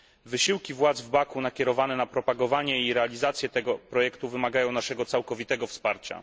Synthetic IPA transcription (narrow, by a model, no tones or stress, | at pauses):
vɘɕiwkʲivwad̪zvbakunakʲɛɾɔvanɛnapɾɔpaɡɔvaɲɛiɾɛalʲizat̪sʲjɛt̪ɛɡɔpɾɔjɛkt̪uvɘmaɡajɔ̃w̃naʂɛɡɔt̪sawkɔvʲit̪ɛɡɔfspaɾt͡ɕa̰